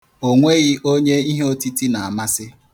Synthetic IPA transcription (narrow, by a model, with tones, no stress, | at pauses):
o˨ŋʷe˦ɣɪ˦ʔo˦ɲe˦i˦ɦe˦o˦ti˦ti˦na˨a˨ma˦sɪ˦